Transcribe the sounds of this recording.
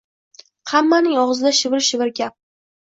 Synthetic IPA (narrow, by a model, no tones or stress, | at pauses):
hamːanɪŋɒʁɨzɪd̪aʃɪvɪɾʃɪvɪɾkʲap̚